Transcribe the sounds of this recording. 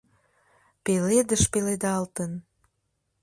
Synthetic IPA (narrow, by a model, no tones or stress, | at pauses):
peled̪əʃpeled̪ɑlt̪ən